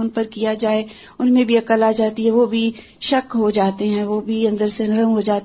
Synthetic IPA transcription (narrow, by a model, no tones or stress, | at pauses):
ʊnpɐɾkijad͡ʒaːe | ʊnmẽbʱiɐkəlaːd͡ʒaːt̪iɦɛ̃ʋobʱi | ʃɐkɦod͡ʒaːt̪eɦɛ̃ʋobʱiɐ̃nd̪əɾsenɐɾəmɦod͡ʒaːt̪